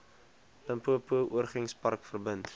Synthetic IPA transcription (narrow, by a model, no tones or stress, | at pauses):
pəmpuəpuəʔuərχəŋspɐrkfərbənt